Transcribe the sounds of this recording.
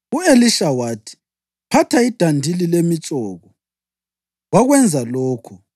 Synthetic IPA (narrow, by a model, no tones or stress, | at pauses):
ueliʃawaːtʰi̥ | pʰatʰaid̥ʱandʱililemit͡ʃʼɔːɣɔ | ɣwaɣwɛnd͡zʱalɔːkʰɔ